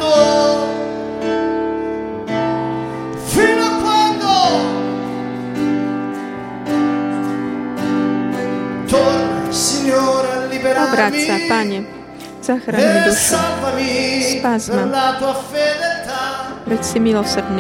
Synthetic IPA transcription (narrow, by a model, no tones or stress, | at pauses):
o | finoakːwand̪o | t̪oɾsiɲːoɾalːibeɾaabɾamsapaːɲɛ | z̥aːxɾaeɲiduʃavamispaːzmalat̪uːafed̪elt̪aɾɛsɪmɪlosɛɾdnɪ